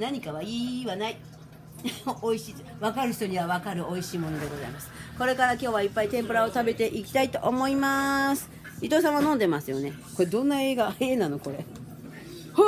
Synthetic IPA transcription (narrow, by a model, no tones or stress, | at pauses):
naɲ̟ikaβaiːβanai | oiɕi | βakaɾɯ̟çi̥t̪o̞ɲ̟iβaβakaɾɯ̟ʔo̞iɕiːmo̞no̞d̪e̞ɡo̞za̰imasɨ̥ko̞ɾe̞kaɾakʲo̞ːβaipːait̪ẽ̞mpɯ̟ɾao̞t̪abe̞t̪e̞ʔikʲi̥t̪ait̪o̞ʔːmo̞imasɨ̥ | it̪o̞ːs̬ãɰ̃βanõ̞nd̪e̞masɨjo̞̰ne̞ko̞ɾe̞d̪õ̞nːae̞ːɡaːiẽ̞nːano̞ko̞ɾe̞ | h